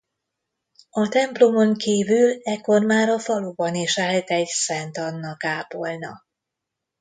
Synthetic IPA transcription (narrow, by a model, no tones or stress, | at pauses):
ɒt̪ɛmplo̞mo̞ŋkiːvylɛkːo̞rmaːɾɒfɒluːbɒniʃaːlt̪ɛɟsɛnt̪ɒnːɒkaːpo̞lnɒ̰